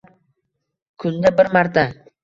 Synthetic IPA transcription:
kʰʊzd̪abɪɾmaɾt̪ʰa

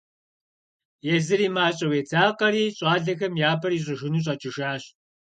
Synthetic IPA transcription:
jɛzɨɾiːmaːɕʼɐweːtʰaːqɐɾiːɕʼɑːɮɐxɐmjaːbʰɐɾiːɕ̬ʼɐʒɪnuːɕ̬ʼɐt͡ʃʼɪʃaːɕ

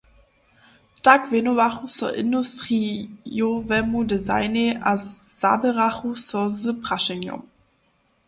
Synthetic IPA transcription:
takvenovaχusɔ̰ʔɪ̰ndustʁijovɛmudeza̰ɪneʔa | z̥a̰ːbəʁaχusɔzəpʁ̥aʃɛnjɔ̰m

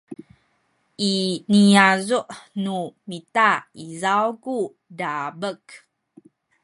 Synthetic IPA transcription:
ʔiniazuʔnumitaizawku | dabək

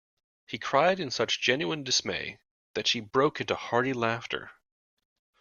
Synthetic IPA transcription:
hikʰɹ̥aɪɾɨ̃nsʌt͡ʃd̥ʒ̥ɛ̃njʉɨ̃ndɨsmḛɪ | ðɨtʃibɹoʊkɪ̃ntuhɑɹɾilæftʰə̰˞

